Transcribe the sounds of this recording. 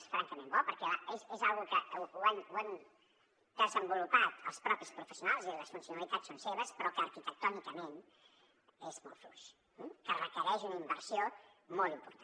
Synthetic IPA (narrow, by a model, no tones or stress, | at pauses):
sfɾa̰ŋkəmẽmbɔpəɾkɛaezezalˠɣukəuanwan | d̪əzəmbulupat̪ə̰lˠspɾɔpispɾufəsiunalˠziləsfunsiunəlit̪at͡ssːonseβəspɾɔkəːɾkit̪ək̚t̪ɔnikəmen | ezmɔ̰lˠfluʃ̩ | kərəkəɾɛʒunimbəɾsio | molˠt̪impuɾt̪a